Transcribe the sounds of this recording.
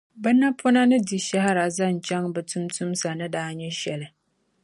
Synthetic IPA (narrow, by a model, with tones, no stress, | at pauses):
bɨ˦nːa˦pʰʊ˦na˦nɨ˦di˨ʃa˦ha˦ɾa˨za˦n˨t͡ʃɛ˦ŋbɨ˨tʊ˦mtʰʊ˦msa˨nɨ˦daː˦ɲɛ˦ʃɛ˨lɨ˨